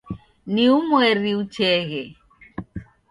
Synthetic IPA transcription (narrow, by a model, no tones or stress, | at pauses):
niumwɛɾiut͡ʃɛɣɛ